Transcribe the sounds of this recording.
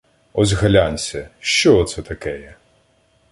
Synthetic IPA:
ɔzʲɣɐlʲanʲsʲɐʃt͡ʃɔːt̪sɛt̪ɐkɛjɛ

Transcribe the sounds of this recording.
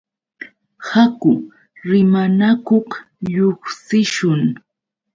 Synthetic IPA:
hakʊ | ɾɪmanakoχ | ʎoχsɪʃʊŋ

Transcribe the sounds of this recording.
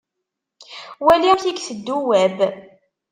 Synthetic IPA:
wæliθikθəd̪ːuwæb

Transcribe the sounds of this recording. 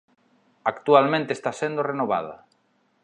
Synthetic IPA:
akt̪ualmẽnt̪est̪asend̪orenoβa̰ðɐ̰

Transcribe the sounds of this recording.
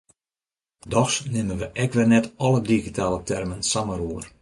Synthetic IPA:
dɔxsnɪmənʋəʔɛkʋɪrnɛtɔlˠədiɣitaːlˠətɛrmənsaməɾuər

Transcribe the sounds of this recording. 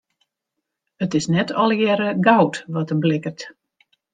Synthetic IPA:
ətɪsnɛtʰɔlˠjɛɾəɡawtʋɔtəblɪkərt

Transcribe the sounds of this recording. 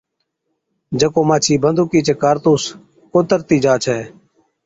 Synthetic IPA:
d͡ʒəkoːmaːt͡ʃʰiːbənd̪ʱukiːt͡ʃekaːɾt̪uːs | koːt̪əɾt̪iːd͡ʒaːt͡ʃʰɛː

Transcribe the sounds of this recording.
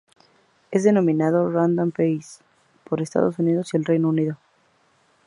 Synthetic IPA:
ezðe̞nõ̞mĩnað̞orand̪ompejs | poɾest̪a̰ðosunið̞o̞sielrejnouniðo̞

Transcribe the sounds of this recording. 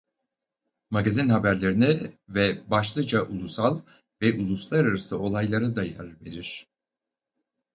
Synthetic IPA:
maɡazinhabæɾlʲe̞ɾinɛvɛbaʃlˠɯd͡ʒaʔulˠusalˠ | vɛʔulˠuslˠaɾaɾasɯo̞lˠajlˠaɾad̪aja̰ɾve̞ɾiɾ̥

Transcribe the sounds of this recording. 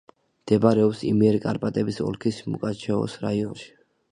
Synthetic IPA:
md̪̥ɛbaɾɛɔpsḭmiɛɾikʼa̰ɾpʼat̪ʼɛbisɔ̰lkʰismṵkʼat͡ʃʰɛɔ̰sɾaiɔnʃi̥

